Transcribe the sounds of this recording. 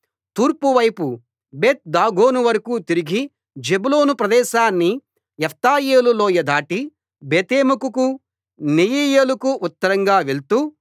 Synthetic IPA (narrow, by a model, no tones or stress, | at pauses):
t̪uːɾpuʋɐjpu | beːt̪̚d̪aːɡʱo̞ːnuʋɐɾɐkuːt̪iɾiɡi | d͡ʒebulo̞ːnupɾɐd̪ɛːʃaːnːi | ɛpʰt̪aːjeːlulo̞ːjɐd̪ʱaːʈi | beːt̪eːmukuku | nejiːjeːlukuʔut̪ːɐɾɐŋɡaːʋeɭt̪uː